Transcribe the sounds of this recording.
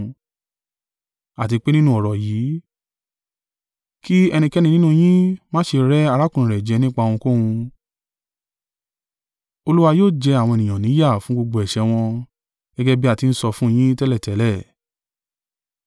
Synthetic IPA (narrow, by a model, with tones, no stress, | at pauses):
a˨t̬i˧k͡pe˦nĩ˦nũ˦ɔ˨ɾɔ˨jiː˨˦ | ki˦ɛ˧nĩ˧kɛ˦nĩ˧nĩ˦nũ˦˧j̃ĩ˦mãː˦ʃe˧ɾɛ˦a˧ɾa˦kũ˦˨ĩ˨ɾɛ˨d͡ʒɛ˨˧nĩ˦k͡pa˧ũ˧ko˦hũ˧ | o˧lu˦wa˧joː˦˨d͡ʒɛ˧a˨w̃ɔ̃˧e˨nĩ˨jɔ̃˨nĩ˨˦ja˦˨fũ˨˦ɡ͡bo˧ɡ͡bo˧ɛ˨ʃɛ˧w̃ɔ̃˧ | ɡ̥ɛ˦ɡɛ˦bi˦a˦˨ti˧n̩˦sɔ˧fũ˦˧j̃ĩ˦tɛ˦lɛ˦˨tɛ˨˦lɛ˦˨